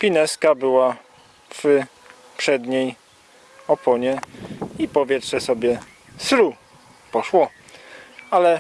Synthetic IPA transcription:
pʲinɛskabɘwa | v̥ | pʂɛd̪ɲej | ɔpʰɔɲɛipɔvʲjɛtʂɛsɔbʲjɛ | sɾu | pɔʂwɔ | alɛ

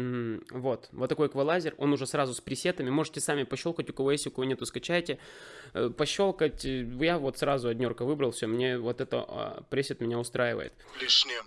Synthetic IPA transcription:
vo̞t̪vot̪ːɐko̞jkvɐlˠazʲɪro̞nʊʐɛsrazʊspɾʲɪsʲet̪əmʲɪmo̞ʐɨtʲɪsamʲɪpɐɕːolˠkətʲʊkɐvo̞jesʲtʲɪʊkɐvo̞nʲe̞t̪ʊskɐt͡ɕæjtʲɪ | pɐɕːo̞lˠkətʲjavo̞t̪sɾazʊɐdʲnʲo̞rkəvɨbɾəlˠfsʲomnʲe̞vo̞t̪ɛt̪ə̰pɾʲesʲɪt̪mʲɪnʲaʊst̪ɾajɪvə̰jɪ̰t̪ | lʲiʂnʲ

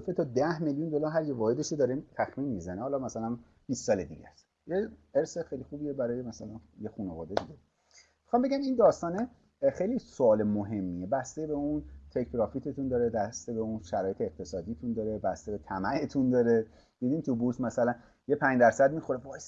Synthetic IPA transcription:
fet̪ʰɒd̪æhmeljund̪olɒːɾɦæɾjevɒːhed̪eʃod̪ɒɾet̪ʰæxminmizænehɒːlɒmæsælæn | b̥istːɒːled̪ḭːɟæ̰s | jeeɾsexejlixuːbiebæɾɒːje̞mæsælænjexunevɒ̰ːd̪ed̪iɡe | mixɒːmbe̞ɡʲæmind̪ɒːst̪ɒːne | xejlisoɒːlemoɦe̞mːiebæst̪ebe̞unt̪ʰekʰbɾɒːfit̪ʰet̪ʰund̪ɒːɾebæst̪ebeunʃæɾɒːje̞t̪ʰeːq̚t̪ʰe̞sɒːd̪it̪ʰund̪ɒːɾebæst̪ebe̞t̪ʰæmæʔet̪ʰund̪ɒːɾe | d̪id̪imt̪ʰubuɾzmæsælæn | jepʰæɲd͡ʒd̪æɾsæd̪̚mixoɾebɒes

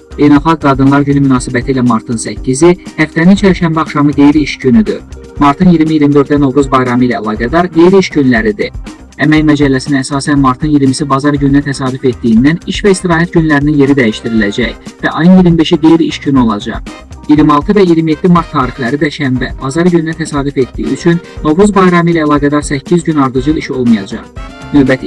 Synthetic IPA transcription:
b̥e̞jnɑlˠχɑk̚ɡɑd̪ɯnlˠɑɾɟynymynɑːsibæt̪ʰiːlæmɑɾt̪ʰɯnsæcʰːizihæft̪ænint͡ʃʰæɾiʃæmbæɑχʃɑmɯd̪e̞jiɾiʃɟynyd̪y | mɑɾt̪ʰɯnjiɾmijiɾmid̪ø̞ɾt̪d̪æno̞vɡuzbɑjɾɑmɯilæːlˠɑːɡæd̪ɑɾd̪e̞jɾiʃɟynlæɾid̪i | æmæjmæd͡ʒælːæsinææsɑːsænmɑɾt̪ʰɯnjiɾmisibɑzɑɾɟynynæt̪ʰæsɑːd̪ufe̞t̪̚d̪ijind̪æniʃvæist̪iɾɑːɦæt̪̚ɟynlæɾininje̞ɾid̪æjiʃt̪iɾilæd͡ʒæçvæʔɑjɯnjiɾimibe̞ʃid̪ejɾiʃɟynyo̞lˠɑd͡ʒɑ̰ʁ | jiɾmɑlˠt̪ɯvæijiɾmije̞t̪ːimɑɾt̪ʰːɑːɾixlæɾid̪æʃæmbæb̥ɑzɑɾɟynnæt̪ʰæsɑːd̪yfe̞t̪̚d̪ḭjḭyt͡ʃʰynːo̞vɾuzbɑjɾɑmilæːlˠɑːɡæd̪ɑɾsæcʰːizɟynɑɾd̪ɯd͡ʒɯlˠiʃo̞̰lˠmɑjɑd͡ʒɑ̰ʁnø̞bæt̪ʰi

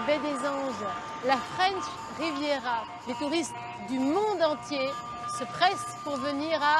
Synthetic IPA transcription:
bɛd̪ezɑ̃ʒ | lafχɛ̃nʃ | ʁivjeʁa | let̪uʁist̪ | d̪ymɔ̃d̪ɑ̃t̪je | səpχɛspuʁvəniʁa

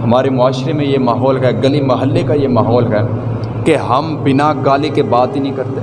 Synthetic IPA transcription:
ɦɐmaːɾemʊaːʃɾemẽjemaːɦɔːlkɛɡɐlimɐɦəlːekajemaːɦɔːlɦɛː | keɦɐmbɪnaɡaːlikebaːt̪inɐɦĩkɐɾt̪e

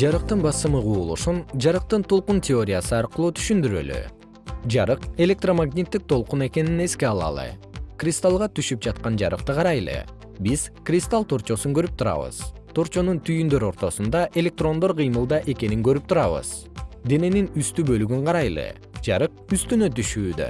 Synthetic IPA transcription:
d͡ʒɑɾɯq̚t̪ɯnbɑsɯmɯʁuːlˠṵʃund͡ʒɑɾɯq̚t̪ɯnt̪ulˠquntʲeo̞ɾʲɪjasɯɑɾqɯlˠuːt̪ʰy̥ʃynd̪yɾø̰ly̰ | d͡ʒɑɾɯqe̞lʲek̚t̪romaɡnʲit̪ːik̚t̪ʰo̞lˠqune̞ke̞nine̞ske̞ɑlˠɑ̰lˠɯ̰krʲɪst̪alˠʁɑt̪yʃyp̚d͡ʒɑt̪qɑnd͡ʒɑ̰ɾɯ̰q̚t̪ɯqʰɑɾɑjlˠɯ̰ | biz̥krʲɪst̪alˠt̪ʰo̞ɾt͡ʃo̞suŋkø̞ɾyp̚t̪ʰuɾɑ̰βɯ̰z̥t̪ʰo̞ɾt͡ʃo̞nunt̪ʰyjynd̪øɾo̞ɾt̪o̞sund̪ɑʔe̞lʲe̞k̚t̪ro̞nd̪oɾqʰɨjmɯlˠd̪ɑʔe̞ke̞niŋɡø̞ɾyp̚t̪ʰuɾɑβɯ̰z̥ | d̪e̞ne̞ninyst̪ybølyɡyɴqʰɑɾɑjlˠɯ̰ | d͡ʒɑ̰ɾɯq̚yst̪ynøt̪yʃyːd̪ø̰

